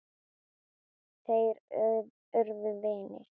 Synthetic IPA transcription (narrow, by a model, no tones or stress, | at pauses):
θejɾ | œɾðʏðeːnɪ̰